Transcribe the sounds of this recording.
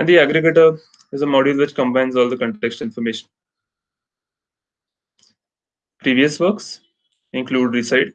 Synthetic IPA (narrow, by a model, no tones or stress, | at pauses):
ɛ̃ɳɖd̪iæɡɾɪɡəʈəɾ | ɪzəmɔːɖilʋɪt͡ʃkə̃mbãɪ̃nzɔːld̪əkə̃ɳʈeksʈɪ̃nfɔɾmeːʃə̃n | pɾiːʋiəsʋəɾks | ɪ̃nkluːɖɾisaɪʈ